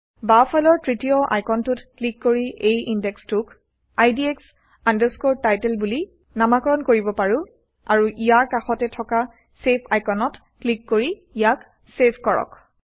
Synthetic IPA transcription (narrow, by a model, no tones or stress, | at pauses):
bapʰajlɔɹtɹitijɔʔa̰jkɔntutklikːoɹiʔejindɛkstuk | ajdieks | andɛskoɹ̚tːajtɛlbuli | namakɔɹɔnkoɹibɔpaɹu | a̰ɹuʔijaɹkaxɔtɛtʰɔka | sepʰajkɔnɔt | klikːoɹiijak | sepʰkɔɹɔ̰k